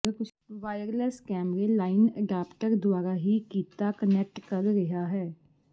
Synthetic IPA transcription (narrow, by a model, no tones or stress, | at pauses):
əkʊt͡ʃ | ʋaːjəɾlɛːskɛːmɾeːlaːɪnəɖaːpʈəɾd̪ʊwaːɾaːɦiːkiːt̪aːkənɛk̚ʈkəɾɾəɦaːɦɛː